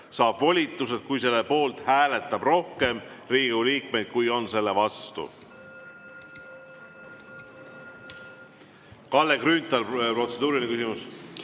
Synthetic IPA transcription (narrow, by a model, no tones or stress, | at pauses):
sɑːb̥vo̞lʲit̪ːˑuse̞d̪̥̚kujse̞lːepo̞ːlt̪hæːle̞t̪ːˑɑb̥ro̞hke̞mriːɡ̥uliːkme̞jd̪̥̚kujo̞nse̞lːe̞vɑst̪ṵ | kɑlːeɡrynʲt̪ˑɑlpro̞t̪se̞d̪uːɾinekysimus